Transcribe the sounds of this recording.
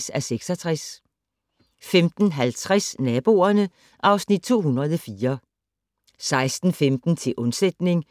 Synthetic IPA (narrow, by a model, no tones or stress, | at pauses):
sæseɡ̥sɒt͡sʰʁas | femd̥n̩ɦælt͡sʰʁɛsnɛːb̥o̝̰ːɐnə | ʔɑ̈ʊsnid̥̚t͡sʰo̝̰ːɦunʁɐð̞ˠɒfiːɐ | sɑ̈ɪsd̥n̩femd̥n̩t͡sʰe̝lʔɔ̽nsed̥ne̝ŋ